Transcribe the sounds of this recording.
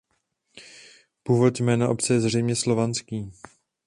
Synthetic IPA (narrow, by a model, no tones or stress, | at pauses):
puːvo̞t̪jmɛːnaʔo̞pt͡sɛjɛzr̝ɛjmɲɛslo̞vant͡skiː